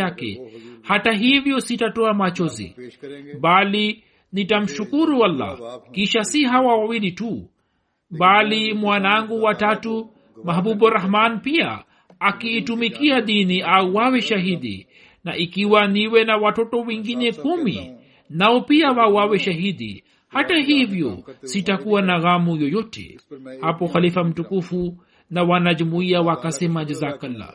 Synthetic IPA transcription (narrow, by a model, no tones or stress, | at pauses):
akɛ̰hataɦivjɔsitatɔamat͡ʃɔzḭɓali | nitam̩ʃukuɾualːa̰kiʃasiɦawawawilitu | ɓalimwanaŋɡuwatatu | maɦɓuɓɔɾahmanpia̰ː | kiːtumikiaɗiniʔauwawɛʃaɦiɗḭ | na̰ʔikiwaniwɛnawatɔtɔwɛŋɡinɛkumḭ | naɔpiawawawɛʃaɦiɗḭ | hataɦivjɔsitakuwanaɣamujɔjɔtɛ̰hapɔxalifam̩tukufu | nawanaʄumuiawakasɛmad͡ʒazakalːa̰